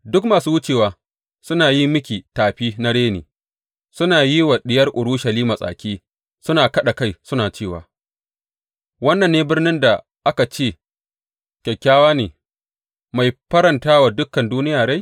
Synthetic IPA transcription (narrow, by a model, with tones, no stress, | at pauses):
dʊ˦kmaː˨suː˦wʊ˦t͡ʃeː˨waː˨ | sʊ˦naː˨ji˦mmɪ˦kʲiː˨taː˨ɸiː˦na˦ɽeː˦nḛː˨ | sʊ˦naː˨ji˦wɐ˨ɗɪ˦jɐ˦rʔʊ˨ɽʊː˦ʃɐ˨liː˦ma˨sʼa̰ː˨kʲiː˦ | sʊ˦naː˨kɐ˦ɗa˨ka˦jsʊ˦naː˨t͡ʃeː˦˨wa̰ː˨ | wɐ˦nːɐ˨nːeː˦bɪ˦rnɪ˦nda˨ | ʔa˦ka˨t͡ʃeː˦˨ | kʲɛ˨kʲːaː˦waː˦neː˨ | ma˨jɸɐ˦ɾɐ˨ntaː˦waː˨dʊ˦kːɐ˨nduː˦nɪ˦jaː˨ɽa˦j